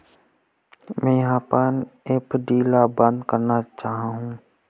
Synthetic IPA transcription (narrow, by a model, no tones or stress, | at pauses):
mɛ̃ːjɐɦãːpəneːpɖiːlabə̃nd̪kəɾnat͡ʃaːɦãɦũː